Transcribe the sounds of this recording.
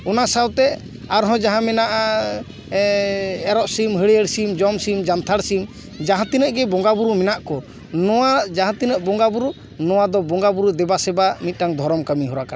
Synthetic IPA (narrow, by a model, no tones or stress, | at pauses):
ɔnasawt̪ɛ | aɾɦɔ̃d͡ʒaɦãmɛnaʔa | ɛɾɔʔsimɦəɽɛəɽsimd͡ʒɔmsimd͡ʒant̪ʰaɽsim | d͡ʒaɦãt̪inəʔɡɛbɔŋɡabuɾumɛnaʔkɔ | nɔwad͡ʒaɦãt̪inəʔbɔŋɡabuɾu | nɔwad̪ɔbɔŋɡabuɾud̪ɛbasɛbamit̪̚ˀʈaŋd̪ʱɔɾɔmkamiɦɔɾaka